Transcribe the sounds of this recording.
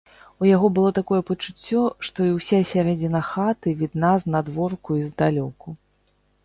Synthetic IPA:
ujaɣɔbɨlˠɔt̪akɔjɛpɐt͡ʂut͡sʲːɔʂt̪ɔiwsʲasʲaɾɛd͡zʲinɐxat̪ɨvʲid̪naznad̪vɔrkuizd̪alʲɔku

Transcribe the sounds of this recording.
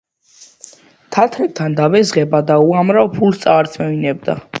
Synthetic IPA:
t̪ʰat̪ʰɾɛt̪ʰːand̪avɛzʁɛbad̪auamɾavpʰulst̪sʼaːɾt̪sʰmɛvinɛb̚d̪a̰

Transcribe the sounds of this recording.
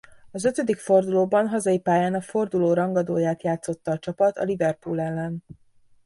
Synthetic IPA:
ɒzøt̪ød̪ikfo̞rd̪uloːbɒnɦɒzɒjipaːjaːnɒfo̞rd̪uloːɾɒŋɡɒd̪oːjaːt̪jaːt̪so̞t̪ːɒːt͡ʃɒpɒt̪ɒ̰livɛrpulɛlːɛn

